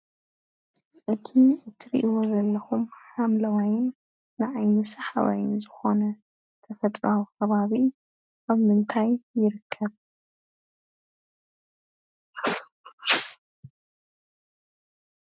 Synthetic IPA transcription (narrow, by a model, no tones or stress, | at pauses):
ʔɨt̪ʰiɨt̪ʰiɾḭʔiwo̞zɐlːɐxumħamlɐwajɪnː | ɨʕajnɨsaħa̰βa̰jɪnzɨxo̞nɐ | t̪ʰɐfɐt̪ʼɾokʰɐβaβi | ʔaβmɨnt̪ʰajːɪɾɨkʰːɐβ